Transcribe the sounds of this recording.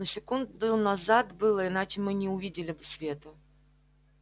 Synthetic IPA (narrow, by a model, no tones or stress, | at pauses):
nʊsʲɪkund̪ʊnɐzat̪bɨlˠəɪnat͡ɕɪmɨnʲɪʊvʲidʲɪlʲɪbɨsʲvʲe̞t̪ʊ